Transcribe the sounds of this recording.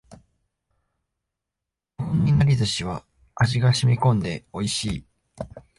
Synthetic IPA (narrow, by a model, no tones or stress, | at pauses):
õɲːinaɾʲid̪oɕiβ̞a | aʑiɡaɕimʲikõ̞nd̪e̞o̞iɕiː